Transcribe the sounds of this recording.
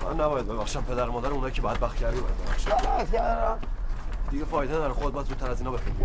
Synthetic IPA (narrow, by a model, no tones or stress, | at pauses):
fʔæ̰nːæbɒːjæd̪̚bebæxʃæd̪̚pʰe̞d̪æɾmɒːd̪æɾunɒːjicʰebɒːjæd̪bæxt̪cʰæɾd̪ibɒjæd̪bebæχʃiææ | d̪̥iɟefɒːjd̪eɾexod̪̚bɒjæd̪zuːt̪ʰːæɾæziːnɒːbexi